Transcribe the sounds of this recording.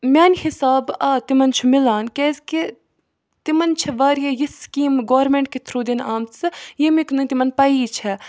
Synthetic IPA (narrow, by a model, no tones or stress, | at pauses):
mʲaːnʲhisaːbaːt̪imɐnt͡ʃʰumɪlaːnkʲezki | t̪imɐnt͡ʃʰiʋaːɾjɐjiskiːmɡoːɾmẽɳʈ̚kit̪ʰɾuːd̪inaːmt͡sɨjimiknɨt̪imɐnpɐiːt͡ʃʰɛ